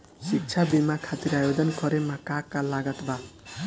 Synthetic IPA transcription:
sik̚t͡ʃʰabimakʰat̪iɾajod̪ɔnkɔɾemakakːalaɡat̪ba

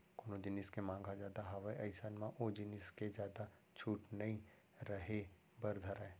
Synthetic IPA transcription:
koːnod͡ʒɪnɪskemãːŋɡʱad͡ʒaːd̪aɦɐʋaeʔɐɪsanmãʔod͡ʒɪnɪsked͡ʒjaːd̪a | t͡ʃʰuːʈnɐĩ | ɾɐɦe | bɐɾd̪ʱəɾae

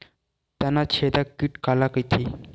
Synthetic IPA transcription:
t̪janːat͡ɕʰed̪akiːʈkalakəjt̪ʰi

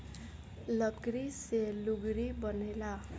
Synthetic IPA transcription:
lʌɡɾiseluɡɾibʌnela

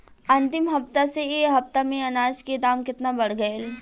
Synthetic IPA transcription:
ɐ̃nt̪ɪmɦɐft̪aseeːɦɐft̪amẽɐnaːd͡ʒked̪aːmkɪt̪nabɐɽɡɐel

